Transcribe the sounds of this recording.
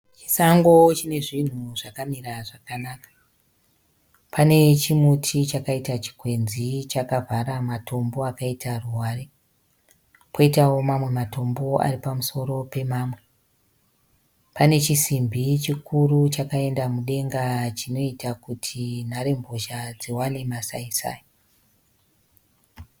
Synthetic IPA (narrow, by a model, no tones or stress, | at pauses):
t͡ʃi̥saŋɡo̞t͡ʃine̞ʐin̤uʐakamiɾaʐakanakḁ | pʰane̞t͡ʃimutʰit͡ʃakaitat͡ʃi̥kwe̞nzit͡ʃakavʱaɾamatʰo̞mbo̞akaitʰaruware | kʰoitawo̞mamwe̞mato̞mbo̞a̰ripamuso̞ɾo̞pe̞maːmwe̞ | pane̞t͡ʃisimbʱit͡ʃikurut͡ʃakae̞ndamuɗe̞ŋɡat͡ʃino̞itakutʰin̤aɾe̞mboʃad͡ziwane̞masaisa̰ːji